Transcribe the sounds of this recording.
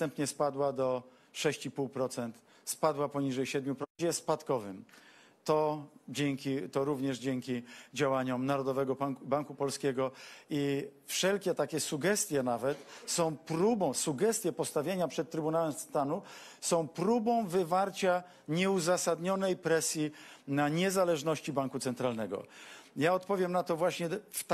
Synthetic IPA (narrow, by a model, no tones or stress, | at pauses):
t̪ɛmpɲɛspad̪wad̪ɔ | ʂɛɕt͡ɕipuwpɾɔt̪sɛnt̪ | spad̪wapɔɲiʐɛjɕɛd̪mʲjupɾɛspat̪kɔvɘm | t̪ɔd͡ʑɛŋkʲit̪ɔɾuvɲɛʐd͡ʑɛŋkʲid͡ʑawaɲɔmnaɾɔd̪ɔvɛɡɔbaŋkupɔlskʲɛɡɔifʂɛlkʲɛt̪akʲɛsuɡɛst̪ʲjɛnavɛt̪sɔ̃w̃pɾubɔ̃w̃suɡɛst̪ʲjɛpɔst̪avʲjeɲapʂɛt̪̚tːɾɘbunawɛmst̪anusɔ̃w̃pɾubɔ̃w̃vɘvaɾt͡ɕa | ɲɛuzasad̪ɲɔnɛjpɾɛsʲjinaɲɛzalɛʐnɔɕt͡ɕibaŋkut̪sɛnt̪ɾalnɛɡɔ̰jaɔt̪pɔvʲjɛmnat̪ɔvwaɕɲɛft̪